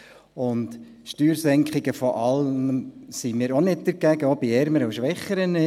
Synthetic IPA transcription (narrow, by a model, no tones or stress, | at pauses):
ʊnd | ʃtyːɾsɛŋkχɪɡəfɔʔɑlːməsimɪːɾonɪd̚d̪əɾɡ̥æɡəɔbiɛɾməɾəuʃʋɛχːəɾənɪ